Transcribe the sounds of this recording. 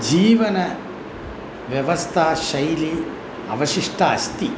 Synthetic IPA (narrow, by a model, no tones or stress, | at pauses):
d͡ʒiːʋɐnɐ | ʋjɐʋɐst̪ʰaːʃɐjli | ɐ̰ʋɐʃiʂʈʰɐɐst̪i